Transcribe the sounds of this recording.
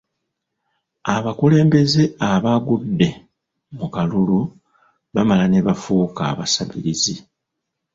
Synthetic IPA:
aβakule̞ːmbe̞ze̞aβaɡudːe̞ | mukalulu | βamalane̞βafuːka̰ːβasaβiɾizi

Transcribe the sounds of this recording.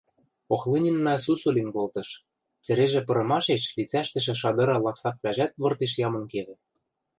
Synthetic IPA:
oxlɤnʲinːɑs̬usulʲinkolt̪ɤ̆ʃ | t͡sɘ̆ɾeʒĕpɤ̆ɾɤ̆mɑʃeʃlit͡sæʃt̪ɘ̆ʃ̬ĕʃɑd̪ɤ̆ɾɑlɑksɑk̚βæʒæt̪βɤ̆rt̪eʃ̬jɑmɤ̆nkeβɘ̆

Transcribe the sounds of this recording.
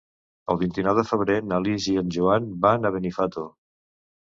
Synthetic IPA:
ə̰lˠβint̪inɔwðəfəβɾenaliziənʲʒuanbanəβənifat̪o

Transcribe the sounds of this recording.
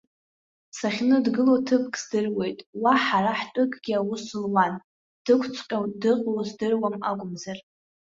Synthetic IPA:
saχʲnɨdɡɨlotʰɨpʰkʼzdɨrwe̞jtʼwaħaɾaħtʷʼʊkʼɡʲiawʊsɨlwan | d̥ɨkʷʰt͡sʷʰqʲʼadɨqʼwzdɨrwamaɡʷʼʊmzar

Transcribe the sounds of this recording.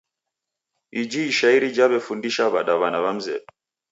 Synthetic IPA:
id͡ʒiːʃaiɾid͡ʒaβɛfundiʃaβaɗaβanaβam̩zɛ̰ɓɛ

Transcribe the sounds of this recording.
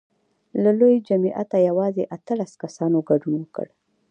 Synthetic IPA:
lalojd͡ʒamiʔa̰t̪ajawɑzeʔat̪əlaskasɑnoɡaɖunwəkə̰ɽ

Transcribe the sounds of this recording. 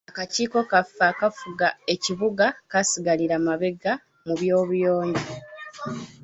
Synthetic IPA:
akaciːko̞kafaːkafuɡae̞ciβuɡakasiɡaliɾamaβe̞ɡa | muβjo̞ːβujo̞ːɲɟe

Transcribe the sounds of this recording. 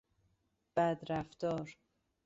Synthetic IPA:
b̥æd̪ɾæft̪ɒːɾ

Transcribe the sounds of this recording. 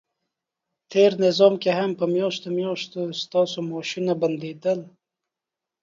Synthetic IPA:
t̪ʰeɾnɪzɔmkeɦampəmjɑʃt̪omjɔʃt̪ost̪ɑsomɔʃinaband̪ed̪əl

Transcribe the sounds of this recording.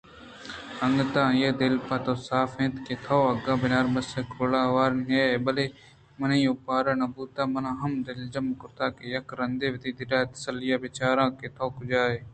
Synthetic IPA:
əŋɡt̪ãːɪjeːd̪ɪlpãːt̪oːsaːfẽːnt̪keːt̪ʰoːɐɡãːbɪnaːɾmɐsekoːlãːʋaːɾneːeːbəleː | mɐnĩːõːpaːɾaːnabuːt̪ãːmənãːɦɐmd̪ɪld͡ʒɐmkʊɾt̪aːkeːjɐkɾənd̪eːʋɪt̪iːd̪ɪɗaːet̪ə̥səlɪjaːbɪt͡ʃaːɾãːkeːt̪ʰoːkʊd͡ʒaːeː

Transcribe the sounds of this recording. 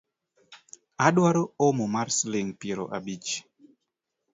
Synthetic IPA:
aɗwaɾoomomaɾsleŋpeɾo̰ʔa̰bit͡ʃ

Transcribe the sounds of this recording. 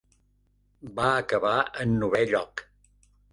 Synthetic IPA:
baəkəβaənːuβɛʎɔk

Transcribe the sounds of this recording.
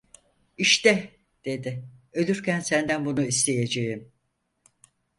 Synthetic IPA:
iʃt̪ɛ | d̪̥e̞d̪ɪø̞lʲyɾcʰænsænd̪ænbunuist̪ʰe̞jed͡ʒejim

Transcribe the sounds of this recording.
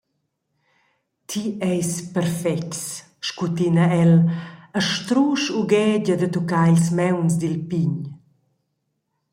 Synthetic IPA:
t̪ʰiɛjspɛɾfɛks | ʃkut̪inaɛləʃt̪ɾuːʃuɡɛːɟəd̪ət̪ukailsmɛwnsd̪ilpiɲ

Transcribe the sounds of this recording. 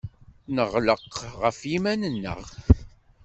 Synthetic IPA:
nəʁləqʁəfjimænənːə̰ʁ

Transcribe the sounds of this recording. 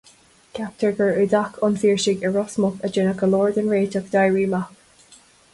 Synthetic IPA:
kʰap̚t̪ʰəɹɡəɹʉdakʰʊnfiːɹʃɪɡəɹɔsmɔkəd͡ʒɪnəkəlɔːɹd̪ənɹeːt̪əkd̪ajɹiːmak

